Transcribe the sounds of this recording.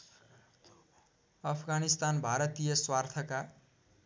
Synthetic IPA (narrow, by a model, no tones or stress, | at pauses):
ʌpʰɡanist̪anbʱaɾʌt̪ijʌswart̪ʰʌka